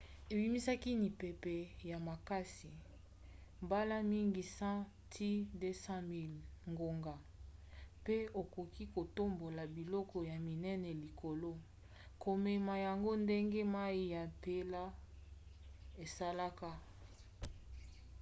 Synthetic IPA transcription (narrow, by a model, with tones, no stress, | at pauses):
e˨bi˦mi˦sa˦ki˦ni˨pe˨pe˨ja˨ma˨ka˦si˨ | mba˦la˦mi˦ŋɡi˨sã˦ | tʰi˦de˦sã˦mi˦lŋɡo˨ŋɡa˨ | pe˦o˨ko˨ki˦ko˨to˦mbo˨la˨bi˨lɔ˦kɔ˨ja˨mi˨nɛ˦nɛ˨li˨ko˨lo˦ | ko˨me˨ma˨ja˨ŋɡo˦nde˦ŋɡe˦ma˦i˦ja˨pe˦la˦ | e˨sa˦la˦ka˦